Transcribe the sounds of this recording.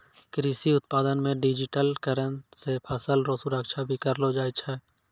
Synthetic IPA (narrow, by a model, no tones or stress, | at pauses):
kɾiːsiʊt̪paːd̪ənmẽɖid͡ʒɪʈəlkəɾənsepʰəsəlɾoːsuɾəkʃabʱikəɾlod͡ʒaːit͡ʃʰɛː